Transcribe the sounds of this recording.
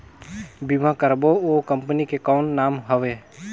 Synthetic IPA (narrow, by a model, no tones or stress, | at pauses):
bimãkəɾbookə̃mpənikekɔːnːaːmɦəʋeː